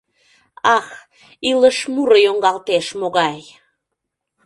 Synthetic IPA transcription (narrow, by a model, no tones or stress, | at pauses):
ɑx | iləʃmuɾəjoŋɡɑlt̪eʃmoɣɑj